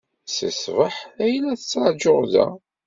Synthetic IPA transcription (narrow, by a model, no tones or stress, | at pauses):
sə̰svəħæjlæθə̥t͡sːɾˤɑd͡ʒoʁðæ̰